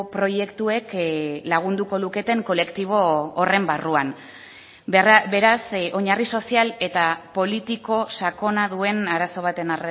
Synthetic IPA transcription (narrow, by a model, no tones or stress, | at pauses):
pɾo̞je̞kt̪ue̞klaɣ̞und̪uko̞luke̞t̪e̞ŋko̞le̞kt̪iβ̞o̞ːre̞mbaruan | beɾaso̞ɲariso̞siale̞t̪apo̞lit̪iko̞sako̞naðue̞naɾaso̞β̞at̪e̞nare